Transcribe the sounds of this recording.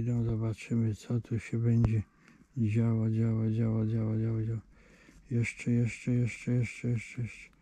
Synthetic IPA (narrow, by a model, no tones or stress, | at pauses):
d̪ɔ̃w̃zɔbat͡ʂɘmɘt̪sɔt̪uɕɛbɛɲd͡ʑɛ | d͡ʑawad͡ʑawad͡ʑawad͡ʑawad͡ʑawad͡ʑaw | jɛʂt͡ʂɛjɛʂt͡ʂɛjɛʂt͡ʂɛjɛʂt͡ʂɛjɛʂt͡ʂɛjɛʂɛ̥